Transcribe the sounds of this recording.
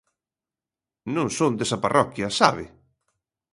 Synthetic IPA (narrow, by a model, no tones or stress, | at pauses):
nõŋsõnd̪esɐparɔkjɐsaβɪ̰